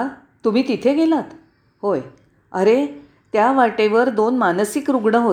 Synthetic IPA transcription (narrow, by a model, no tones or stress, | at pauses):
a | t̪um̤iːt̪it̪ʰeɡelat̪ | hoj | əɾe | t̪jaʋaʈeʋəɾd̪onmansikɾuɡɳəɦo